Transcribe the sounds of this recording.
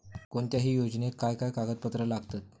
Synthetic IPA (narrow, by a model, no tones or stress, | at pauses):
koɳt̪jaɦiːjod͡znekajkajkaɡət̪̚pət̪ɾəlaɡt̪at̪̚